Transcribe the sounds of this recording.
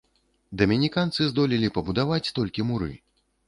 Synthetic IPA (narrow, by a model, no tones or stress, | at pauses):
d̪ɐmʲinʲikant̪sɨzd̪ɔlʲilʲipɐbud̪avat͡sʲt̪ɔlʲkʲimuɾɨ̰